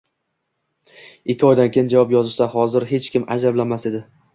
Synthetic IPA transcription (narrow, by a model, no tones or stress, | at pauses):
ɪkʲʰːɪɒjd̪ankʲejɪnd͡ʒavɒpjɒzɪʃsaɦɒzɪɾɦe̞t͡ʃkʲɪmad͡ʒablanmase̞d̪ɪ